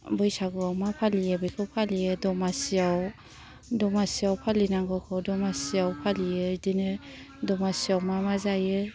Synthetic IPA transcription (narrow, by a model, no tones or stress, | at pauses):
bɯjsaɡuawmapʰalijebɯjkʰɯwpʰalijɯdɔmasiaw | dɔmasiawpʰalinaŋɡɯkʰɯwdɔmasiawpʰalijɯdinɯ | dɔmasiawmamazajɯ